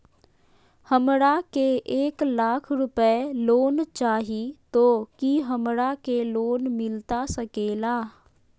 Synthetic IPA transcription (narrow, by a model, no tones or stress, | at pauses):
həmɾakeʔeːklaːkʰɾʊpəloːnt͡ʃaːɦit̪okiɦəmɾakeloːnmɪlt̪asəkeːlaː